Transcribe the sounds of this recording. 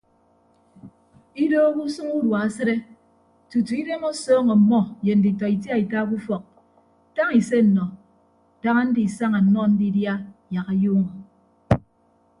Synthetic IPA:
i˦doː˦ku˦sɨ˦ŋu˦dwa˨a˦se˦ɾe˦ | tu˨tu˨i˦de˦mo˦sɔː˦ŋɔ˨m̩˨mɔ˦je˨n̩˨di˨tɔ˨i˨t̬ja˦i˨ta˦ku˦fɔ˨k̚ | ta˦ŋi˨se˦n̩˨nɔ˨ | ta˦ŋa˦n̩˦di˨sa˦ŋa˨n̩˦mɔ˦n̩˦di˦dja˦ja˨ɣa˨juː˦ŋɔ˨

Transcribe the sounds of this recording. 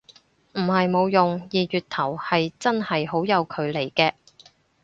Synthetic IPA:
m̩˨˩hɐ˨jmo˨˧wjʊ˨ŋjiː˨jyː˨t̪ʰɐ˨˩whɐ˨jt͡sɐ˥nhɐ˨jɦo˨˥wjɐ˨˧wkʰɵ˨˧ɥle˨˩jkɛː˧

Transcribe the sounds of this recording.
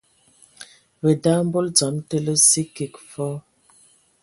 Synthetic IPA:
bə˨da˦m̩˦bo˦ld͡zɔ˨˦mtə˦lə˦si˦ki˨kfɔ˦

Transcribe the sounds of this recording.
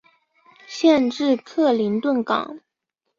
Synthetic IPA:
ɕjɛ˥˧nʈ͡ʂɻ̩˥˧kʰɤ˥˩li˧˥nt̪wə˥˩nkɑ̰˨˩˦ŋ

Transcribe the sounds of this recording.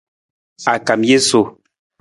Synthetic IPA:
a˨ka˨mje˦so˨

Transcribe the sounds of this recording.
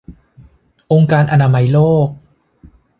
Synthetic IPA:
ʔo˧ŋkaː˧nʔa˧naː˧ma˧jloː˥˩k̚

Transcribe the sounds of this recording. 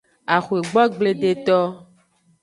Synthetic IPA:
a˨xu˨e˨ɡ͡bɔ˦ɡ͡ble˦ɖe˨t̪ɔ˦

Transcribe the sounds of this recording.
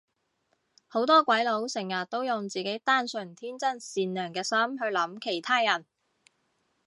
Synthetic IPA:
ho˨˥wt̪ɔː˥kʷɐ˨˥jlo˨˥wsɪ˨˩ŋjɐ˨t̚t̪ːo˥wjʊ˨ŋt͡siː˨˩ke˨˥jt̪aː˥nsɵ˨˩nt̪ʰiː˥nt͡sɐ˥˩nsiː˨nlœː˨˩ŋkɛː˧sɐ˥mɦɵ˧ɥlɐ˨˧˥mkʰe˨˩jt̪ʰaː˥jɐ˨˩n

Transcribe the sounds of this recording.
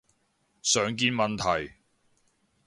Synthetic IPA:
sœː˨ŋk̬iː˧nmɐ˨nt̪ʰɐ˨˩j

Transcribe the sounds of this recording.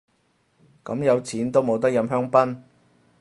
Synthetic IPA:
kɐ˨˥mjɐ˨˧wt͡sʰiː˨˥nt̪o˥wmo˨˧wt̪̬ɐ˥k̚jɐ˧mɦœː˥ŋpɐ˥n

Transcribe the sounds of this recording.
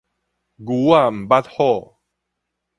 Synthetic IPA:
ɡu˨˦wa˥˧˨m̩˨˩ba˦˥t̪̚hɔ˥˨

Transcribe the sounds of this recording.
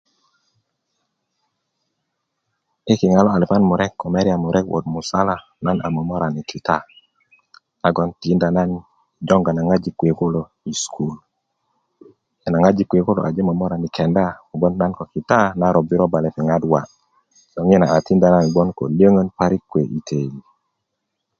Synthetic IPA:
ɪ˦kɪ˨ŋa˨lɔ˦a˨li˨pa˦nmu˨ɾɛ˦kːɔ˨mɛ˦ɾi˦a˨mʊ˨ɾʔɛ˦kwʔɔ̰˨d̚mu˨sa˦la˦ | na˦na˨mɔ˨mɔ˦ɾa˨ni˨kʰi˨ta˦ | na˨˦ɡɔ˦nti˦nda˨na˦n | i˨d͡ʒɔ˦ŋɡa˨na˨ŋa˦d͡ʒi˨kwe˨ko˦lo˨ | i˨skʰu˦l | ɛ˨na˨ŋa˦d͡ʒi˨˦kwe˨ko˦lo̰ʔa̰˨d͡ʒe˦mɔ˨mɔ˦ɾa˨nɪ˨kʰɛ˨nda˦ɔ˨bɔ˦nːa˦nkɔ˨kɪ˨ta˦na˦ɾɔ˨bɪ˦ɾɔ˦ba˨lɛ˨pɪ˨ŋa˦dwa̰˨ | sɔ˨ŋɪ˦na˨a˨ti˦nda˨na˦n˨bɔ˦nkɔ̰˨lje˦ŋo˦npa˦ɾi˦kːwe˨ʔi˨tʰe˨li˨

